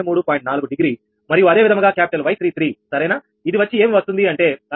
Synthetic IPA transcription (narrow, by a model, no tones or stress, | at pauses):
muːɽupaːjiɳʈ̚naːluɡuɖiɡɾiː | mɐɾijuɐd̪eːʋid̪ʱɐŋɡaːkaːpi̥ʈɐlʋɐjt̪ʰɾiːt̪ʰɾiːsɐɾɐjna | id̪iʋɐt͡ʃːie̞ːmiʋɐst̪und̪iɐɳʈe̞ːɐ